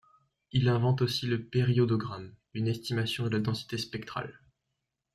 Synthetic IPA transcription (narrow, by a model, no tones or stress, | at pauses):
ilɛ̃vɑ̃t̪osiləpeʁiɔd̪ɔɡʁam | ynɛst̪imasjɔ̃d̪əlad̪ɑ̃si̥t̪espɛk̚t̪χa̰l